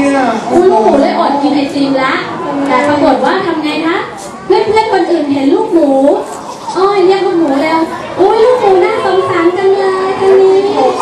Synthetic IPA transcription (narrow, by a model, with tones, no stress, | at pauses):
kʰu˧n˧˥muː˨˩˦lɤː˧˦jʔoː˨˩t̪̚ki˨˧˩nɦa˨˩jt͡ɕi˧ŋla˦˥ʔt̪aː˨˩pa˧kɯ˨˩ət̪̚waː˥˩t̪ʰa˧mŋaː˧jma˦˥ʔ | le˦˥˩p̚leː˦˥˩p̚ko˧nʔɯː˨˩nɦi˨˩˦ənluː˥˩k̚muː˨˩˦ | ʔɔː˧˩jnɛ˦˥ma˧nmuː˨˩˦lɛː˧w | ʔoː˧˥˩jluː˥˩k̚muː˨˩˦naː˥˩so˨˩˦msaː˩˦mka˧ŋlɤː˧jt̪ʰa˧nniː˧˥